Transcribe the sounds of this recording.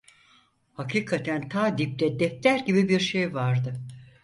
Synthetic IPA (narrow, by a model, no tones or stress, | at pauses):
hakʰiːkʰat̪ʰænt̪ʰaːd̪ip̚t̪ɛd̪ɛft̪ʰæɾɟibibiɾʃejvaɾd̪ɯ